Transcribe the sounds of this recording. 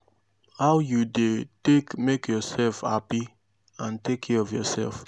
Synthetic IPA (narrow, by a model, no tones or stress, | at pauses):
haʊjudetekmekjɔsɛlfha̰pi | ãntekʰɛɔvjɔsɛ̰lf